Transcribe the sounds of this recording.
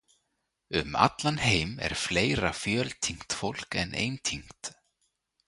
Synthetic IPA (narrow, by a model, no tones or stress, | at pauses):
ʏma̰t̪lanheːjmɛ̰ɾ̥fleːjɾafjœːlt̪ʰiŋ̥t̪fowl̥kɛnʔḛjnt̪ʰiŋ̥t̪